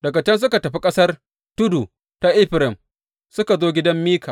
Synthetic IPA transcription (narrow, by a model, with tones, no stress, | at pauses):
dɐ˨kɐ˨t͡ʃɛ˦ns̬ʊ˦ka˨tɐ˨ɸi˦kʼɐ˦sɐ˦r | tʊ˦du˨ | ta˦ʔɪ˦ɸɪ˨ɾɪ˨m | sʊ˦ka˨zoː˦ɡʲɪ˦dɐ˦mːiː˦kaː˨